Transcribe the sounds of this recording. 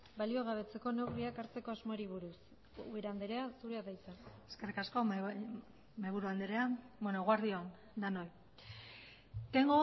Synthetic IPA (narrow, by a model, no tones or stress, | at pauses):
balio̞ɣ̞aβ̞e̞t͡se̞ko̞newɣɾiakaɾt͡se̞ko̞azmoeɾiβuɾus | ueɾand̪eɾe̞asuɾeaðajt͡s̪aeskerikasko̞ | meβuɾuand̪eɾeabwenoɣwaɾðioan | d̪anoj | keŋɡo